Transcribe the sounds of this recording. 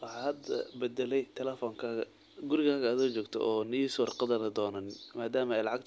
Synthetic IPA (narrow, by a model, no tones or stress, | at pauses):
wɑħɑːhɐd̪ɐ̰bɛd̪ɛlɛjt̪ʰɛlɛfɔːŋkʰaːɣɐ | ɡʊɾɪɣaːɣɐːðɔːt͡ʃɔːɡt̪ʰɔ̰ʔɔːniːsɔːrqɑðɐnɐd̪ɔːnanmaːd̪aːmɐɛjlɑʕɑɡ̚t̪ʰ